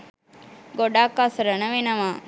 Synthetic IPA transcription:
ɡoɖaːkːasɐɾɐnɐʋenɐʋaː

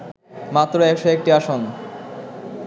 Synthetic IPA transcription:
mat̪ːɾoɛkʃoek̚ʈiaʃon

